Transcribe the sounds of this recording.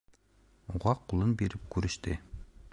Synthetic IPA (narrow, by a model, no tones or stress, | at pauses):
uʁɑqʰolˠɤnbeɾɪp̚kʲʰyɾɪʃt̪ɪ